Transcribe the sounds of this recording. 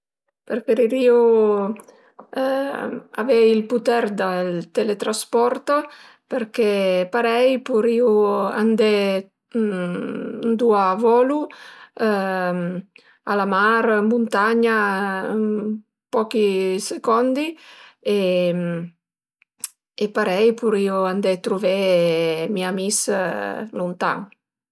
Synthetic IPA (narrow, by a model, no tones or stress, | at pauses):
peɾfeɾiɾiːu | a̰vɛjilput̪ɛɾd̪alt̪elet̪ɾaspɔɾt̪a | peɾkepaɾɛjpuɾiːua̰nd̪e | nd̪uavɔːlu | alamaɾmunt̪aɲa | pɔkisekɔnd̪ie | epaɾɛjpuɾiuand̪ɛt̪ɾuvɛ | miamis | lunt̪a̰ŋ